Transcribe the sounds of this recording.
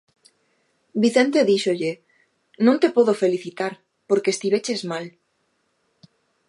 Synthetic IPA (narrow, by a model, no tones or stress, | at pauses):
biθent̪e̞ðiʃoʎe | nõnt̪epoðofe̞liθit̪aɾ | poɾkest̪iβet͡ʃezmal